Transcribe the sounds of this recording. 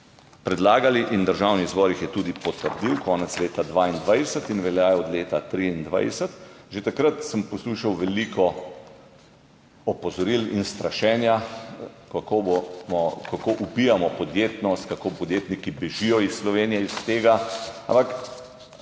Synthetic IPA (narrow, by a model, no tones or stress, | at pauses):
pɾɛd̪laːɡaliʔind̪əɾʒawnizbɔːɾixjɛt̪uːd̪ipɔt̪əɾd̪iwkɔːnɛt̪sleːt̪ad̪ʋaːind̪ʋajsət̪inʋɛljaːjɛɔd̪leːt̪at̪ɾiind̪ʋa̰jsət̪ | ʒet̪akɾət̪səmpɔsluːʃawʋɛlikʰɔ | ɔpɔzɔɾilinst̪ɾaʃɛːnja | kkobmɔkakoʔupiamɔpɔd̪jeːt̪nɔst̪kakoːpɔd̪jeːt̪nikibɛʒijɔisslɔʋeːnijɛist̪eːɡaa̰mpak